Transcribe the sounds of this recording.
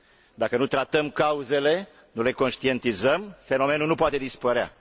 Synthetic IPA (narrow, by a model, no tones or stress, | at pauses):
d̪akənut̪ɾat̪əmkauze̞le̞ | nule̞ko̞nʃt̪ie̞nt̪izəmfe̞no̞me̞nunupoat̪e̞d̪ispəɾea̰